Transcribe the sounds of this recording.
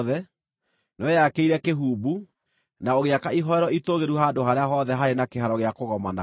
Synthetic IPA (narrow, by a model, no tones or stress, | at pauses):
ðɛ | noejakeiɾɛkeɦuːbu | naoɣeakaiɦɔɛɾɔitoɣeɾuɦaːdoɦaɾeaɦɔðɛɦaɾenakeɦaɾɔɣeakoɣɔmana